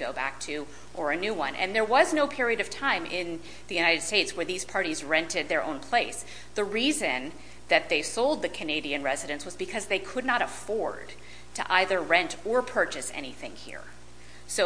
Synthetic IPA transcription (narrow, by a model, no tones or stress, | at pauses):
ɡ̥oʊbæ̰k̚tʰɨ | ʔə˞ɨnʉwʌ̰̃nʔɨ̰̃nðə˞wʌznoʊpʰɪɹiɨɾʌv̥tʰãɪ̃mʔɪ̃n | ðɨjʉñaɪɾɨd̥steɪtswə˞ðiz̥pʰɑɹɾizɹɛ̃ntɨd̪̚ðə˞ʔõ̰ʊ̃npʰl̥eɪs | ðɨɹizɨ̃n | ðɨt̪̚ðeɪsoʊlˠd̪̚ðɨkʰɨneɪɾiɨ̃nɹɛzɨɾɨ̃nswʌzbɨkʰʌzðeɪkʰʊdⁿnəɾəfɔɹd̥̚ | tʰɨ̰ʔaɪðə˞ɹɛ̃ntə˞pʰɜ˞t͡ʃɨsɛ̰ñiθɪ̰̃ŋhḭɹ | soʊ